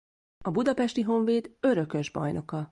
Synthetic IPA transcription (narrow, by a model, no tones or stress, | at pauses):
ɒbud̪ɒpɛʃt̪iɦo̞ɱveːd̪ø̞ɾø̞kø̞ʒbɒ̰jno̞kɒ